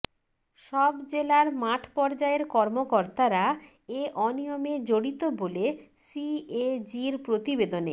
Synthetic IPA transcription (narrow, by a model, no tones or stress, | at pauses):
ʃɔbd͡ʑelaɾmaʈʰpɔɾd͡ʑaeɾkɔɾmokoɾt̪aɾa | eʔɔnijomed͡ʑoɽit̪obole | sied͡ʑiɾpɾot̪ibed̪onḛ